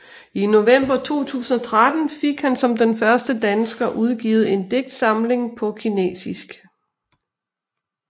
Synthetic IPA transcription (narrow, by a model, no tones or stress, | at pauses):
ino̝ʋem̰b̥ɐt͡sʰo̝̰ːt͡sʰṵːsn̩ɒ̽t͡sʰʁad̥n̩fe̝ɡ̥hænsɒ̽md̥enfɶɐsd̥əd̥ænsɡ̥ɐʔuð̞ˠɡ̥ḭːʊð̩ˠe̝nd̥e̝ɡ̥̚d̥sɑ̈mle̝ŋpʰɒ̽kʰinḛːsisɡ̥